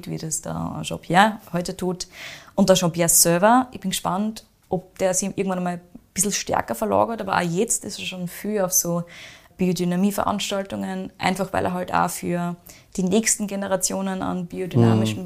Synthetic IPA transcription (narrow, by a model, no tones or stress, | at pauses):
tvḭdɐsd̥a̰ːʃɔ̰pʰjahɔʏtətʰuːtʔʊnt̚d̥aːʃopjɛɐssøɐvɐɪçb̥ɪnɡəʃpant | ʔɔp̚d̥eːɐz̥iːʔɪɐɡŋ̩tvanɐmaːlb̥ɪsl̩ʃtɛ̰ɐkɐfɐlɑ̰ːɡɐtaːbɐʔa̰ːjɛt͡stɪsɐʃoːnfyːaʊfsoːb̥iːodynamiːfɛɐʔã̰nʃtaltʊŋənʔæ̰ɪnfaχvæ̰ɪlʔḛɐɦalta̰ːfyːɐ | d̥iːnɛːçstn̩ɡenəʁat͡sjoːnəna̰nb̥iːodynaːmɪʃn̩